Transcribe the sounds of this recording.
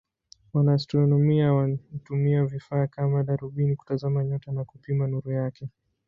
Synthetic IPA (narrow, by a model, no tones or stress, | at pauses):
wanaːstɾɔnɔmiawatumiavifaːkamaɗaɾuɓiniku̥tazamaɲɔtanakupimanuɾujakɛ